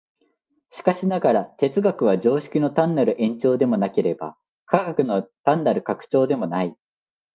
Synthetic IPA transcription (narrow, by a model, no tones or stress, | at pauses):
ɕi̥kaɕinaɡaɾat̪e̞t͡sɨɡakɯ̟β̞ad͡ʑo̞ːɕi̥kʲino̞t̪ãnːaɾɯ̟ʔẽ̞ɲ̟t͡ɕo̞ːd̪e̞mo̞nake̞ɾe̞ba̰ | kʰaɡakɯ̟no̞t̪ãnːaɾɯ̟kakɯ̟̥t͡ɕo̞ːd̪e̞mo̞nai